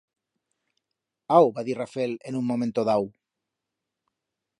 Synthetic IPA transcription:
awβaðirafelenuŋmːomẽnt̪oðaw

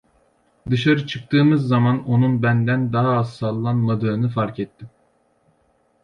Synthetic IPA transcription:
d̪ɯʃaɾɯt͡ʃʰɯk̚t̪ʰɯːmɯzːɑmɑnonunbɛnd̪ɛnd̪ɑɦɑːzsɑlˠːɑnmɐd̪ønɯfɑɾkʲɛt̪ːɪm

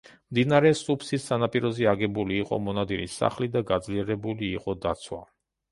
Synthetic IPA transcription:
md̪inaɾɛsupʰsisːanapʼiɾɔziaɡɛbuliːqʼɔ̰mɔnad̪iɾisa̰χlid̪aɡad̪zliɛɾɛbuliːqʼɔd̪at̪sʰwa̰

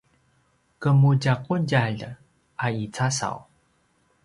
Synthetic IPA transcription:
kəmuɟakunɟaɮ | ait͡sasa̰w

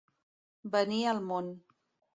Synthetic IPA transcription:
bəniəlˠmon

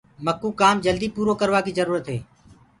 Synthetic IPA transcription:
məkːuːkaːmd͡ʒəld̪iːpuːɾoːkəɾʋaːkiːzəɾuːɾət̪ɦeː

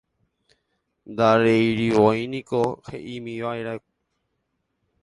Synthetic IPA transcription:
nd̪aɾejɾiʋojnĩkohḛʔimĩʋaeɾae

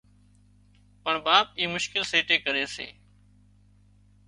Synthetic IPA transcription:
pəɳbaːp̚iːmʊʃkɪlseːʈeːkəɾeːsḛː

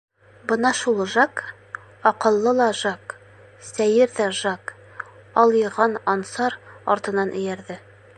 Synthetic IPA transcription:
bɤnɑʃulˠʒɑk | ɒqɤ̆lˠːɤlˠɑʒɑk | sæjɘɾðæʒɑk | ɒlˠjɤ̆ɾʁɑnɒnsɑɾɒ̰ɾt̪ɤ̆nɑnʔɵ̆jæɾðɘ

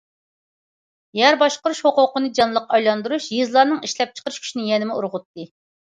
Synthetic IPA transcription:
jɛɾbɑʃqəɾuʃhoqʊqənɨd͡ʒɑnlˠəqɑjlˠɑnd̪uɾuʃjɨzlˠɑɾnɨŋiʃlɛp̚t͡ʃʰə̥qəɾyʃkʲʰy̥ʃinɪjɛnɪmɪuɾʁʊt̪ːɨ

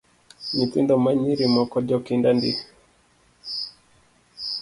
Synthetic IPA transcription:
ɲitindɔmaɲiɾimɔkɔd͡ʒɔkindandi

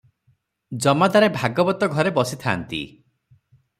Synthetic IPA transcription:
d͡ʒɔmad̪aɾebʱaɡɔbɔt̪ɔɡʱɔɾebɔsit̪ʰa̰ːnt̪ḭ

